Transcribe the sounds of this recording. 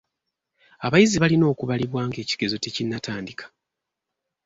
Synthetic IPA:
aβajiziβalino̞ːkuβaliβwaːŋɡe̞ːci̥ɡ̥e̞zo̞te̞cinːataːndikʰḁ

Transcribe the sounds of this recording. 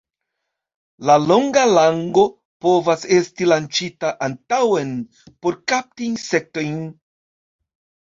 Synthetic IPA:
lalo̞ŋɡalaŋɡo̞ | po̞vase̞stilant͡ʃitaʔantawe̞n | po̞ɾkap̚tinse̞k̚to̞jn

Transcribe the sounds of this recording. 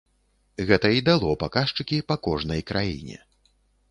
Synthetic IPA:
ɣɛt̪ɐid̪alˠɔpakaʂt͡ʂɨkʲipɐkɔʐnɐjkɾʔajḭnʲɛ̰

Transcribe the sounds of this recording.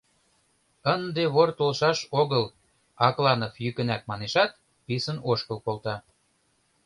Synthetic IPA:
ənd̪eβort̪olʃɑʃoɣəl | ɑklɑnofjykə̆næk̚mɑneʃɑt̪̚ | pisənoʃkəlkolˠt̪ɑ

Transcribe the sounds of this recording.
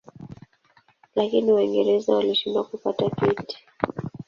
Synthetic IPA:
lakiniwaiŋɡɛɾɛzawaliʃinduwakupatapiti̥

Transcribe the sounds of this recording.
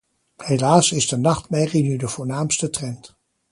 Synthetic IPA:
helaːsɪzdənɑχtmɛjrinydəv̥ʊːɹnaːmstətrɛnt

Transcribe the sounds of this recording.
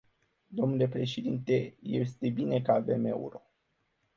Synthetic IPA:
d̪o̞mnule̞pɾe̞ʃe̞d̪int̪e̞je̞̰st̪ebine̞kəave̞me̞̰ṵɾo̞

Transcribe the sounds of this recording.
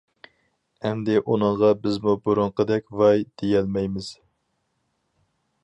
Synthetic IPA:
ɛmd̪ɪʔunɨɴʁɑbɪzmubuɾuɴqəd̪ɛkʲvɑjd̪̥ejɛlmɛjmɪz̥

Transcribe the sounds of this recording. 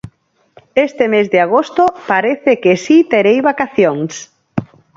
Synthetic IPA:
est̪emezðeɪaɣost̪opaɾeθekesit̪eɾejβakaθjoŋs

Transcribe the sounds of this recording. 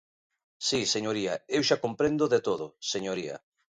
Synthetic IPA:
siseɲoɾiaewʃakompɾend̪oðet̪oðoseɲoɾiɐ̰

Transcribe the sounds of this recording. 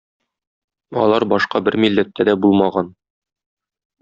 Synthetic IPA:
ɒ̰lˠɑɾbɒʃqɑbɘɾmilːæt̪ːæd̪æbulˠmɑʁɑn

